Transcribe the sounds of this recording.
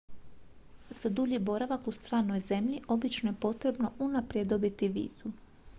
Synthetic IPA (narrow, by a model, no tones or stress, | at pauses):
z̥ad̪uʎibo̞ɾaʋakust̪ɾaːno̞jze̞mʎiʔo̞bit͡ʃnoje̞po̞t̪ɾe̞bno̞ʔunapɾjed̪o̞bit̪iʋḭːz̥u